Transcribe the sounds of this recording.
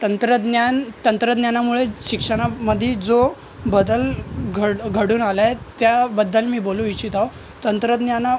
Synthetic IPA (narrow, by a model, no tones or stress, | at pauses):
t̪ənt̪ɾəd̪njant̪ənt̪ɾəd̪njanamuɭeɕikʂəɽ̃aməd̪ʱid͡zo | bəd̪əlɡʱəɽɡʱəɽuːnalajt̪jabəd̪ːəlmiːbolũʋit͡ɕit̪aw | t̪ənt̪ɾəd̪njana